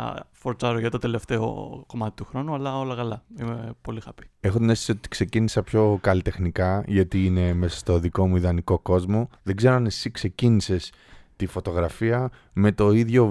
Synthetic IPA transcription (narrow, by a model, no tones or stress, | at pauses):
foɾt͡sɐɾoʝɐt̪o̞t̪e̞le̞ft̪e̞o̞̰ko̞mɐt̪i̥t̪uxɾo̞nuɐlɐo̞lɐkɐlɐimepo̞lixɐpi̥e̞xot̪inest̪isiot̪i̥kse̞cinisɐpço̞kɐlit̪e̞xnikɐʝɐt̪iine̞me̞sɐ̥st̪o̞ðiko̞muiðɐniko̞ko̞zmo̞ðe̞ɡze̞ɾoanesikse̞cinise̞s | t̪ifo̞t̪o̞ɣɾɐfiɐ | me̞t̪o̞iðʝo̞